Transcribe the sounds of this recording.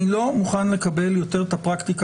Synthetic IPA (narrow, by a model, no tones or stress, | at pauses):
ilo̞muχanle̞kabe̞ljo̞t̪e̞ʁt̪apʁakt̪ik